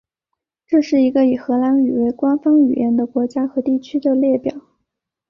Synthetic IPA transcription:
ʈ͡ʂɤ˥˧ʂɻ̩˥˩i˧˥ɡə˧i˨˩xɤ˧˥la˧˥ny˨˩we˧˥˩ɪkwa˥nfɑ˥ŋy˨˩jɛ̰˧˥nd̪ə˧˨kwɔ˧˥t͡ɕja˥xɤ˧˥t̪i˥˩t͡ɕʰy˥d̪ə˨ljɛ˥˩pjɑ˨˩˦

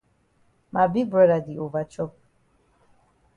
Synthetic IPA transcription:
ma˨bi˦bɾɛ˦ɾa˨di˨o˨va˨t͡ʃɔ˦

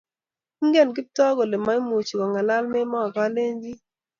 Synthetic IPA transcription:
i˦ŋɡe˦˨nk̬ɪ˦p̚tɔ˦ɡo˨le˨ma˦i˦mo˨t͡ʃi˨kɔ˨ŋa˨la˦lme˦mɔ˦a˨ka˦le˦ɲd͡ʒi˦

